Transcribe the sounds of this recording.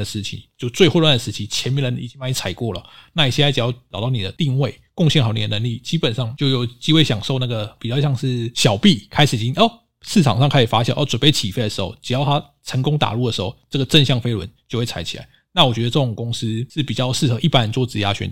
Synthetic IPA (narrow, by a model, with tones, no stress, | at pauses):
ə˩ʂɻ̩˥˩t͡ɕʰḭ˨˩t͡ɕjo˥˧ʊt͡swe˥˧ɪxwlwa˥˩ndə˩ʂɻ̩˧t͡ɕʰi˧˥t͡ɕʰjɛ˧˥nmiɛ˥nɻə˧˦ni˨˩t͡ɕi˦ŋma˥i˥˩t͡sʰa˨˩ɪkwɔ˥˩lə̰˩na˥˩i˨˩ɕjɛ˥˧a˥ɻ̩˨˩jɑ˥˩ʊʈ͡ʂɑ˨˩ʊt̪ɑ˥˩n˨d̪ə˦t̪i˥˧ŋwe˥˩ɪkʊ˥˧ŋɕjɛ˥˩nxɑ˨˩˥n˨˩ə˨nə˧˦ŋli˥˩t͡ɕi˥pə˨˩nʂɑ˥˧ŋt͡ɕjo˥ʊjo˨˩ʊt͡ɕi˥xwe˥˩ɪɕjɑ˨˩ŋʂo˥˧ʊna˥˩ɡə˩pi˨˩t͡ɕjɑ˥˧ʊɕjɑ˥˧ŋʂɻ̩˥˩ɕjɑ˨˩ʊpi˥˨kʰa˥ɪʂ̩˨˩i˨˩t͡ɕi˥ŋ˥˩ | ʂɻ̩ʰ˥˩ɑ̰˨˩ŋʂɑ˥˧ŋkʰa˥ɪʂ̩ɻ̩˨˩fa˥ɕjɑ˨˩˦ʔɔ˥˩t͡swə˨˩npe˥˩ɪt͡ɕʰi˨˩fe˥˩ɪə˩ʂ̩˧˦xo˥˧˩ʊʈ͡ʂɻ̩˨˩jɑ˥˩ʊt̪ʰa˥ | ʈ͡ʂʰə˧˥ŋkʊ˥ŋt̪a̰˨˩lu˥˩d̪ə˩ʂɻ̩˧˥xo˥˩ʊʈ͡ʂə˥˩ɡə˩ʈ͡ʂə˥˧nɕjɑ˥˩ŋfe˥ɪlwə̰˧˦nt͡ɕjo˥˧ʊxe˥˩a˧˥ɪt͡ɕʰi˨˩a̰˧˦ɪ | na˥˩wɔ˨˩t͡ɕɥɛ˧˥d̪ə˧ʈ͡ʂɤ˥˩ʊ˨˩ŋkʊ˥ŋsɹ̩˥ʂɻ̩˥˩pi˨˩t͡ɕjɑ˥˧ʊʂɻ̩˥˩xɤ˧˦ʔi˥˩pa˥nɻə˧˦nt͡swt͡sɹ̩˥˩ja̰˥ɕɥɛ̰˧˥n